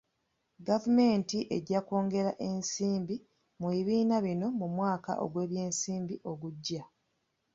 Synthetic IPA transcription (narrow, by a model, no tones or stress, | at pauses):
ɡavume̞ːntiʔe̞ɟako̞ːŋɡe̞ɾaʔe̞nsiːmbi | muiβiːnaβino̞mumwaːka̰ʔo̞̰ɡwe̞ːβje̞ːnsiːmbiʔo̞ɡuɟːa